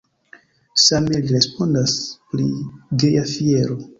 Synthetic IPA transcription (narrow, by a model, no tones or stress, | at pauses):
same̞liɾe̞spo̞ndaspɾḭɡe̞jafie̞ɾo